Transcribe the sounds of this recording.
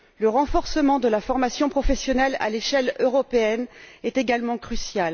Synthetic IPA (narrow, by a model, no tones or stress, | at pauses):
ləʁɑ̃fɔʁsəmɑ̃d̪əlafɔʁmasjɔ̃pχɔfɛsjɔnɛla̰leʃɛløʁɔpeɛnɛt̪eɡalmɑ̃kχysjal